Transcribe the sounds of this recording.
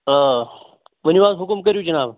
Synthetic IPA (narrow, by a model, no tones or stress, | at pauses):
ə | ʋəniʋaːd̪ɦʊkumkəɾjud͡ʒɐnaːb